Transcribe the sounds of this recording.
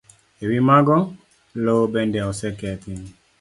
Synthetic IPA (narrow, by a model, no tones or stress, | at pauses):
ewimaɡɔ | lobɛndɛɔsɛkɛt̪ɪ